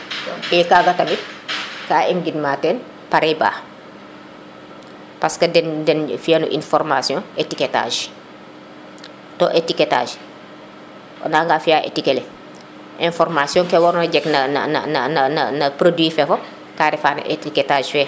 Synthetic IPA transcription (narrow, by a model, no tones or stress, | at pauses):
ɔɛːkaːɡɐtɐmikaːʔɛnɡidmaːtɛːn | paɾɛjba̰ː | paskɐdɛndɛnfijɐnṵʔḭnfɔrmasjɔ̃netikɛta̰ːʒ | tɔːʔetikɛta̰ːʒ | naːŋɡaːfiaːʔḛtikɛlɛ | ʔɛ̃nfɔrmasjɔ̃ŋkɛwɔɾnɐɟɛknɐnɐ̰nɐ̰nɐ̰nɐnɐ̰nɐpɾodwiːfɛfɔ | kaːɾɛfaːn̰etikɛtaːʒfɛː